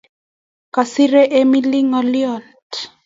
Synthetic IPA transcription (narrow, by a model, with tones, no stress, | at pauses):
ka˨si˦ɾe˦ʔe˦mi˦li˦ŋɔ˨li˦ɔ˨nt